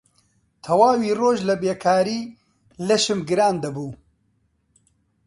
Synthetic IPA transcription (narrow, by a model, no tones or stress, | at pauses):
t̪ʰɐwaːwiːroːʒlɐbeːkʰaːɾiː | lɐʃɨmɡɨɾaːnd̪ɐbuː